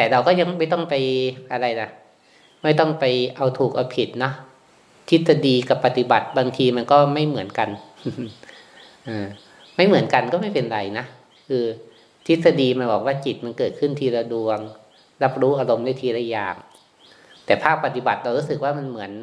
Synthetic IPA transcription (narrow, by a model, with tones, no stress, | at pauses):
t̪ɛː˨˩ɾa˧wkɔː˥˩ja˧ŋma˥˩jt̪ɔ˥˩ŋpa˧jʔa˧ɾa˧jna˦˥ | ma˥˩jt̪ɔ˥˩ŋpa˧jʔa˧wt̪ʰuː˨˩k̚ʔa˧pʰi˨˩t̪̚nɔ˦˥ | t̪ʰi˦˥t̪̚sa˧diː˧ka˨˩pːa˨˩t̪i˨˩ba˨˩t̪̚baː˧ŋt̪ʰiː˧ma˧nkɔː˥˩ma˥˩jmɯ˩˦ənka˧n | ʔɯː˧˩ | ma˥˩jmɯ˩˦ənka˧nkɔː˥˩ma˥˩jpe˧nɾa˧jna˦˥ʔ | kʰɯː˧ | t̪ʰi˦˥t̪̚sa˧diː˧ma˧nbɔː˨˩k̚waː˥˩t͡ɕi˨˩t̪̚ma˧nkɤː˨˩t̪̚kʰɯ˥˩nt̪ʰiː˧ɾa˧wdu˧əŋ | ɾa˦˥p̚ɾuː˦˥ʔaː˧ɾo˧mdaː˥˩jt̪ʰiː˧ɾaː˦˥˩ja̰ː˨˩ŋ | t̪ɛː˨˩pʰaː˥˩k̚pa˨t̪i˨˩ba̰˨˩t̪̚ɾa˧wɾuː˦˥sɯ˨˩k̚waː˥˩ma˧nmɯ˩˦ən